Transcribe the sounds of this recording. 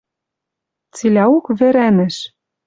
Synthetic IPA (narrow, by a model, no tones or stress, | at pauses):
t͡silʲæukβɘ̆ɾænɘ̆ʃ